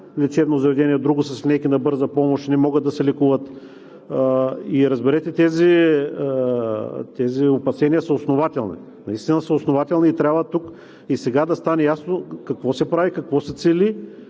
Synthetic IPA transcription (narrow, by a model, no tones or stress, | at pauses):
lɛt͡ʃɛd̪nozɐvɛd̪ɛniɛd̪ɾuɡʊsɐsʲnɛkʲinɐbɤɾzəpɔmoʃt̪nɛmɔɡət̪ːɐsɛlɛkuvət̪ | iɾɐzbɛɾɛt̪ɛt̪ɛzi | t̪ɛziopɐsɛnijəsəosnovat̪ɛlˠnḭ | nɐist̪inəsəʊsnovat̪ɛlˠniːt̪ɾʲabvət̪uk | isɛɡad̪ɐst̪anɛjasnokɐkvɔsɛpɾavikɐkvɔsɛt̪sɛlʲi